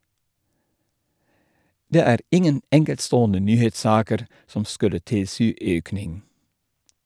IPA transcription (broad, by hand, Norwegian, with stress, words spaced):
ˈdeː ˈæːɾ ˈɪŋən ˈɛŋkɛltˌstoːɔnə ˈnyːheːtˌsɑːkəɾ ˈsɔm ˈskʉlə ˈtɪlˌsyː ˈøːknɪŋ